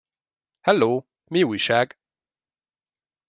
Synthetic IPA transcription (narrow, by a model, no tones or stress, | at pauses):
hɛloː | miuʃæɡ